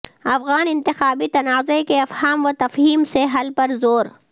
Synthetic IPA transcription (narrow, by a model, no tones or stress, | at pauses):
ɐfɣaːnɪ̃nt̪ɪxaːbit̪ɐnaːzekeɐfhaːmʋot̪ɐfɦiːmseɦɐlpɐɾzoːɾ